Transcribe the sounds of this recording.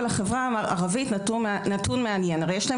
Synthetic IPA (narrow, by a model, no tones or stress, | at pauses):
laχevʁamaa̰ʁavitnatʰunmeanjenaʁejeɛʃla